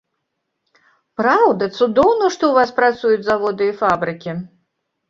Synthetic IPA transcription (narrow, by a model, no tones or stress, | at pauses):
pɾawd̪ɐt̪sud̪ɔwnɐʂt̪ɔwvaspɾat̪sujut͡sʲzavɔd̪ɨifabɾɨkʲi